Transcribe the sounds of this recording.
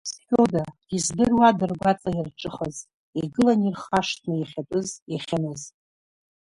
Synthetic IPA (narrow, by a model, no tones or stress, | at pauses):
sħʲᶣodadizdɨrwadɨrɡʷat͡sʼairʈ͡ʂʼɨχaz | iɡɨlanirχaʂtʰnɨjaχʲatʷʼʊzjaχʲanɨz